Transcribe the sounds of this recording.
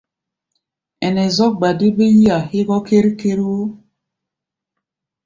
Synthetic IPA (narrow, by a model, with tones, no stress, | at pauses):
ɛ˨nɛ˨zɔ˦k̚ɡ͡ba˨di˦be˦ji˦a˨hi˦ɣɔ˦ke˦ɾi˦ke˦ɾo˦